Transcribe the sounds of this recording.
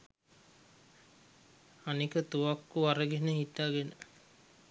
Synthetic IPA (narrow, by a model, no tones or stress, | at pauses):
anikət̪uʋakːuʋaɾəɡenəɦit̪ːaːɡenə